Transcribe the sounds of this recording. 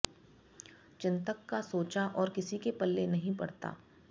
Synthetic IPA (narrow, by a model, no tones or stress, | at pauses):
t͡ʃɪ̃nt̪əkːasoːt͡ʃaʔɔːɾkɪsikepɐlːenɐɦĩpɐ̰ɽt̪a̰ː